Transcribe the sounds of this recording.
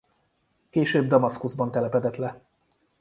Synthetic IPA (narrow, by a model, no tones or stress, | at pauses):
keːʃøːbd̪ɒmɒskuzbɒnt̪ɛlɛpɛd̪ɛt̪lɛ